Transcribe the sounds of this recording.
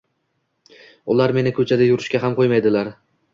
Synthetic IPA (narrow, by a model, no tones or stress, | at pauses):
ʊlaɾme̞nɪkʰɵt͡ʃʰad̪ajʊɾɪʃkʲaɦamqʰojmajd̪ɪlaɾ